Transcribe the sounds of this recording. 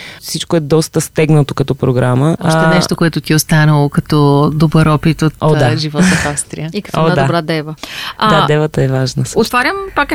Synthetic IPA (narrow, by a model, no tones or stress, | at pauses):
fsit͡ʃkoɛd̪ɔst̪əst̪ɛɡnət̪okɐt̪ɔpɾoɡɾaməʃt̪ɛnɛʃt̪okoɛt̪ʊt̪iost̪anəlˠokɐt̪ɔd̪obəɾɔpit̪ot̪aʒivɔt̪ofafst̪ɾḭjəiɐkod̪d̪abɾad̪ɛvəd̪ad̪ɛvət̪əɛvaʒnəot̪vaɾʲəmpak